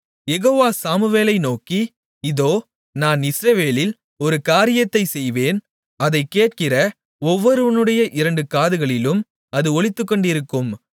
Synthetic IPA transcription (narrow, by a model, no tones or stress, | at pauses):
jɛɣoːʋaːsaːmɯʋeːlɐɪnoːki | ɪðoː | naːnɪsɾɐʋeːlɪl | ɔɾɯkaːɾɪjɐt̪ːɐɪsɛjʋeːn | ɐðɐɪkːeːʈ̚kɪrɐ | ɔʋːɔɾɯʋɐnɯɽɐjɐʔɪɾɐɳɖɯkaːðɯɣɐɭɪlɯm | ɐðɯɔɭɪt̪ːɯkːɔɳɖɪɾɯkːɯm